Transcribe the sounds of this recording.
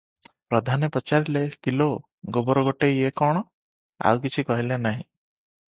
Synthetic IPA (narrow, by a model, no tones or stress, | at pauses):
pɾɔd̪ʱanipɔt͡ʃaɾilekilo | ɡobɔɾɔɡoʈeekɔɽ̃ɔ | a̰wkit͡ʃʰikɔɦilenaɦĩ